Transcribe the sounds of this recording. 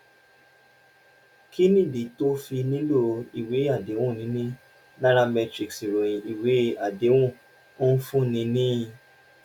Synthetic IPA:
ki˦nĩ˦˨di˨to˦fi˧nĩ˦lo˦i˨we˨˦a˦˨de˨˦wũ˦˨nĩ˨˦nĩ˦ | nã˦ɾ̃a˧mɛ˧tɾi˨ksi˨ɾo˨jĩ˨i˨we˨˦a˨de˨˦wũ˦˨ | o˦n̩˦fũ˦nĩ˧nĩ˦ĩ˧

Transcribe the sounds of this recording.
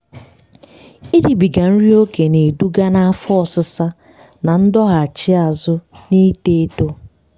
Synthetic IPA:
i˦ɾi˨bi˨ɡa˨n̩˦ɾi˦o˦ke˨ne˨du˦ɡa˦na˦a˦fɔ˦ɔ˦˨sʊ˦sa˦ | na˨n̩˦dɔ˦ɣa˨a˨t͡ʃɪ˦a˨zʊ˦ni˦te˦e˦to˦

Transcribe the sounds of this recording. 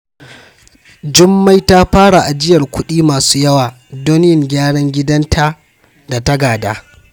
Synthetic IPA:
d͡ʒɪ˦mːa˦jtaː˦ɸaː˦ɽa˨ʔa˨d͡ʒɪ˦jɐ˨rkʷʊ˦ɗiː˦maː˨su̥ː˦jɐ˦waː˨ | doː˦n˦jɪ˨ŋɡʲaː˦ɽɐ˦ŋɡʲɪ˦dɐ˦ntʰa˦ | da˨tɐ˦ɡaː˨daː˦

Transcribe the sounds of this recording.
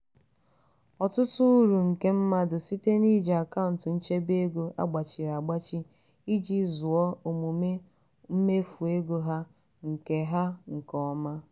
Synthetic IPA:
ɔ˨tʊ˦tʊ˦u˦ɾu˨ŋ̩˨ke˦m̩˦ma˦dʊ˨si˦te˦ni˦d͡ʒe˨a˨ka˦ʊ˨n̩˨tɪ˨n̩˦t͡ʃe˦be˦ɡo˦ʔa̰˦ɡ͡ba˨t͡ʃi˨ɾa˨ɡ͡ba˦t͡ʃi˦ | i˦d͡ʒi˦zʊ˨ɔ˦o˨mu˨me˦ | m̩˦me˦fu˨e˦ɡo˦ɦa˦ | ŋ̩˨ke˨ɦa˦ŋ̩˨kɔ˦ma˦

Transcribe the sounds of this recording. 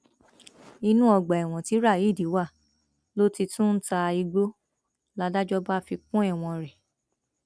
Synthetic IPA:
i˧nũ˦ɔ˧ɡ͡ba˨ɛ˨w̃ɔ̃˨ti˨˦ɾa˦˨ji˨˦˨di˨˦wa˦˨ | lo˦ti˧tũ˦n̩˦ta˧i˧ɡ͡bo˦ | la˦da˦d͡ʒɔ˦ba˦fi˧kũ˦ɛ˦˨w̃ɔ̃˧ɾɛ˨

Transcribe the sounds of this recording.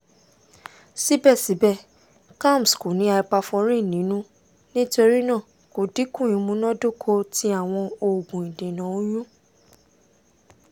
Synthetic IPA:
si˨˦bɛ˦˨si˨˦bɛ˦˨ | ka˦˨m˨sko˨nĩ˨˦a˧i˧k͡pa˧fɔ˧ɾ̃ĩ˦˨nĩ˨˦nũ˦ | nĩ˦to˧ɾi˦nã˦˨ | ko˨di˨˦kũ˦˨ĩ˨˦mũ˨˧˦nɔ̃˦do˦˨kʰo˧ti˦a˦˨w̃ɔ̃˧o˧˨ɡũ˨ĩ˨dẽ˨nã˨˦o˦jũ˦

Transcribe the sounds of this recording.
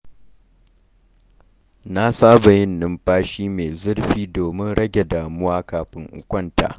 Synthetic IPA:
na˦saː˦ba˨jɪ˦nːɪ˦mɸaː˦ʃiː˦meː˨zʊ˦rɸiː˦doː˨mɪ˦nɽɐ˦ɡʲe˨daː˨mʊ˦waː˦kaː˨ɸɪ˦ŋʔʊ̰˨kʷʼɐ˦nta̰ː˨

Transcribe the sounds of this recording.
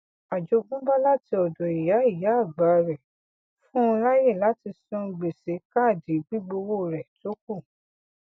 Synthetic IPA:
a˨d͡ʒo˨˧ɡ͡bũ˦ba˦la˦ti˧ɔ˨dɔ˨i˨ja˨˦i˦˨ja˨˦˨ɡ͡ba˨˦ɾɛ˨ | fũ˦˧la˦je˦˨la˨˦ti˧sũ˦˧ɡ͡be˨se˨˦ka˦˨di˨˦ɡ͡bi˦ɡ͡bo˧wo˦˨ɾɛ˨to˦ku˦˨

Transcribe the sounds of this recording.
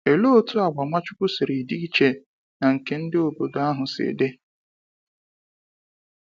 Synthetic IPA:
e˨lo˦tu˦a˨ɡ͡ba˨ŋʷa˦t͡ʃʊ˦kʊ˦sɪ˨ɾi˨di˦i˦t͡ʃe˨ | na˨ŋ̩˨ke˨n̩˦dɪ˦o˨bo˨do˨a˦ɦʊ˨sḛ˨de˦

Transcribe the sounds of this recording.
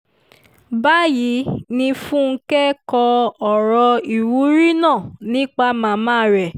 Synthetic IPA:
ba˦ji˨˦nĩ˧fũ˦ŋ̩˦kɛ˦kɔ˧ɔ˨ɾɔ˧i˨wu˨˦ɾi˦nãː˦˨nĩ˦k͡pa˧mãː˨˧mãː˦ɾɛ˨

